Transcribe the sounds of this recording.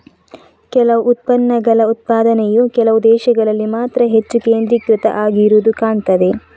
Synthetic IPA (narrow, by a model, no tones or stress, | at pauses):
kɛlɐʋuːt̪̚pɐnːɐɡɐlɐut̪̚paːd̪ɐnejukɛlɐʋud̪ɛːʃɐɡɐɭɐlːimaːt̪ɾɐɦe̞t͡ʃːukeːnd̪ɾikɾɪt̪ɐ̰ʔaːɡiɾuːd̪ukaːɳt̪ɐd̪e̞